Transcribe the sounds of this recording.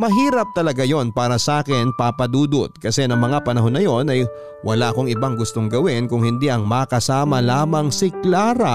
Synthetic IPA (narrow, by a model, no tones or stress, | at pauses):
mɐɦiːɾɐp̚t̪ɐlɐɡajo̞npaːɾɐsɐʔaːkɪnpapɐd̪uːd̪ot̪̚kɐsɛnɐŋmɐŋapɐnɐɦo̞nːɐjo̞nɐj | wʔɐlaʔɐko̞ŋɪbaŋɡʊst̪o̞ŋɡɐwɪnkʊŋhɪnd̪iʔɐŋmɐkɐsaːmɐlaːmɐŋsɪklaːɾɐ